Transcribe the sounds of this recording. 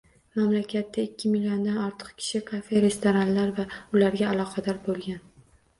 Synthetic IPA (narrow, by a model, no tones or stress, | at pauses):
mamlakʲʰat̪ːaɪkʲːɪmɪljo̞nd̪anɒɾt̪ʰɨ̥qkʲʰɪ̥ʃɪkʰafe̞ɾe̞st̪oɾanlaɾvaʊlaɾɡʲaːlˠɒqʰɑd̪ɒɾbolˠɡʲan